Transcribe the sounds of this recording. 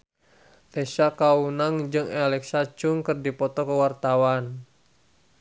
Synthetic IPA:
t̪ɛsakaunaŋd͡ʒɨŋalɛksat͡ʃuŋkɨrdipɔt̪ɔkəwart̪awan

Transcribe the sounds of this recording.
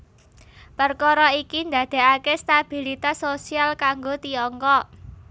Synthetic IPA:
pərkɔɾɔikind̪a̤d̪̥e̤akest̪ab̥i̤lit̪asosialkaŋɡot̪iɔŋkɔ

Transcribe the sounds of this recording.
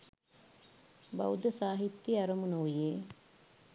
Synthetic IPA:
bɐ̰wd̪ɐsaːɦit̪ːiɐɾɐmunɐʋjeː

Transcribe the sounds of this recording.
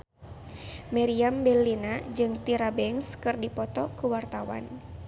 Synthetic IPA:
mɛɾiambɛlːinad͡ʒɨŋt̪iɾabɛŋskɨrdipɔt̪ɔkuwart̪awa̰n

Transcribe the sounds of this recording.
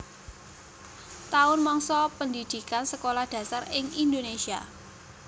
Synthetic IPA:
t̪aʊnmɔŋsɔpəndid̪̥i̤kansəkolahd̥ä̤sarɪŋind̪onesia

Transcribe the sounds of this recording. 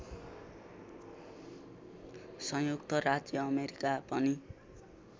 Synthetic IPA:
sʌ̃jukt̪ʌrad͡zjʌːmeɾikapʌni

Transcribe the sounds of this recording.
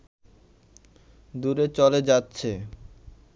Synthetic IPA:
d̪uɾet͡ɕɔled͡ʑatːɕʰe

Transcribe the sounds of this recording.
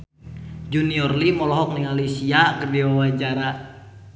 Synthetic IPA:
d͡ʒuniɔrlimɔlɔɦɔk̚niŋalisiakərdiwawad͡ʒaɾa

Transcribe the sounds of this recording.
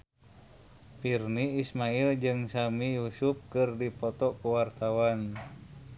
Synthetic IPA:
pirniːsmaild͡ʒɨŋsamijusup̚kɨrdipɔt̪ɔkuwart̪awan

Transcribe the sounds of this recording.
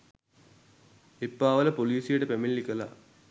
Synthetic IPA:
epːaːʋɐlɐpoliːsijɐɽɐpemilːikːɐla̰

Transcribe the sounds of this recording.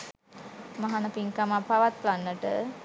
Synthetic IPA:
maɦanəpiŋkamapaʋat̪̚planːəʈə

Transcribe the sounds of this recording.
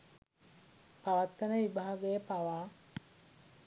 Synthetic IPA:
paʋat̪ːənəʋibaɦaɡəjəpaʋaː

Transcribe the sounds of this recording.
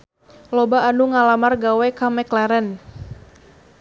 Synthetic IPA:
lɔbaːnuŋalamarɡawɛkamɛklaɾən

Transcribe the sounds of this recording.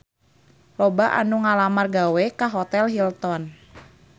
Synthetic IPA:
lɔbaʔa̰nuŋalamarɡawekaɦɔt̪ɛlɦilt̪ɔn

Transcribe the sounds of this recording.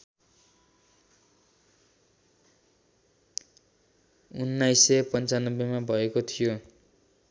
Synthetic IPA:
unːajsːʌpʌnt͡sanʌbːjemabʱʌekot̪ʰijo

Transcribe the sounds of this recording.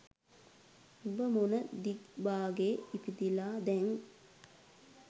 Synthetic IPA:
ubəmonəd̪ikbaːɡeːipid̪ilaːd̪ɛŋ

